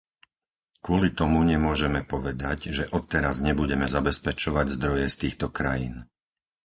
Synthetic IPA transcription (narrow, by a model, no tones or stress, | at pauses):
kʊɔlit̪ɔmuɲɛmʊɔʒɛmɛpɔʋɛd̪aɟʒɛʔɔt̪ːɛɾazɲɛbuɟɛmɛzabɛspɛt͡ʃɔʋaɟzd̪ɾɔjɛst̪iːxt̪ɔkɾajiːn